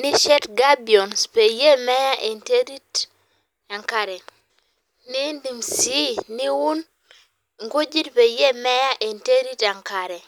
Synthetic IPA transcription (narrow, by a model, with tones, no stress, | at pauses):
ni˦ʃɛ˦tɡa˦bi˨ɔ˨nspe˨je˦mɛ˦ja˦ʔe˨nte˦ɾi˦t | a˨ŋka˨ɾɛ˨ | ni˦ndi˨msi˦ni˦wu˦n | ŋɡo˦d͡ʒi˦tpe˨je˦mɛ˦ja˦ʔe˨nte˦ɾi˦ta˨ŋka˨ɾɛ˨